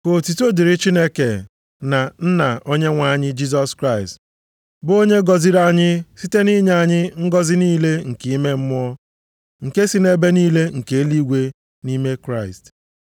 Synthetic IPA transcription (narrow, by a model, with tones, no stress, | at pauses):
ko˨ti˨to˦di˨ɾɪ˦t͡ʃi˦ne˦ke˨ | na˨n̩˦na˨ʔo˦ɲe˦ŋʷa˦˨ɲɪ˦d͡ʒi˦z̬ɔ˦skɾa˦˨ɪ˨st | bo˦ɲe˦ɡɔ˨zi˦ɾa˦ɲɪ˦si˦te˦ni˦ɲa˦˨ɲɪ˦ŋ̩˦ɡɔ˦zɪ˦niː˦le˦ŋ̩˨ki˨i˦me˦m̩˦m˦ɔ˦ | ŋ̩˨ke˦si˦ne˦be˦niː˦le˦ŋ̩˨ke˨˦li˦ɡʷe˦ | ni˦me˦kɾa˦˨ɪ˨st